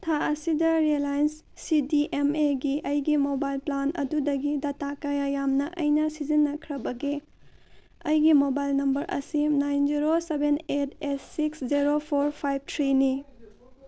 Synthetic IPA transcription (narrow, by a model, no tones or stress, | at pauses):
tʰaɐsidɐɾielajnsː | idiʔemeɡiʔɐjɡimobajlplanʔɐ̰dudɐɡidɐtakajajamnɐʔɐjnɐsizinːɐkʰɾɐbɐɡe | ɐjɡimobajlnɐmbɐɾʔɐ̰sinajnd͡ʒiɾosebʱenet̚ʰesːiksziɾopʰoɾpʰajb̚tʰɾini